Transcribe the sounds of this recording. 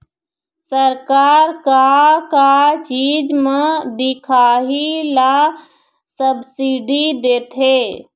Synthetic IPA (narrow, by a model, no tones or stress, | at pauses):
səɾkaɾkakat͡ʃid͡ʒmed̪ikʰaɦila | səbsiɖid̪et̪ʰe